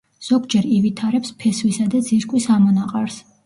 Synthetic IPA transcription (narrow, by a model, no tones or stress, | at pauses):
z̥ɔɡd͡ʒɛɾivit̪ʰaɾɛpspʰɛsvisad̪ad̪ziɾkʼwisamɔnaqʼaɾs